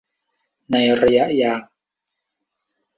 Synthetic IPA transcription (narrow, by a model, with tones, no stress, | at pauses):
na˨jrja˦ʔja